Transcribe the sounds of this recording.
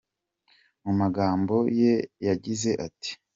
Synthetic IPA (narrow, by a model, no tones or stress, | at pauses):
mumaɡaːmbo̞je̞jaɟize̞ʔati̥